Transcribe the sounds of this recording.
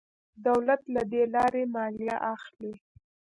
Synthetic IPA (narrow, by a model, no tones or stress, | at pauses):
d̪awlat̪lad̪elɑɾemɑljaʔaxli